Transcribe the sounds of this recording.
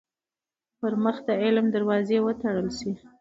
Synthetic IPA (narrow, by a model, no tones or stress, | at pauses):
pəɾməxd̪əɪlmd̪aɾwɑzewət̪aɽəlʃi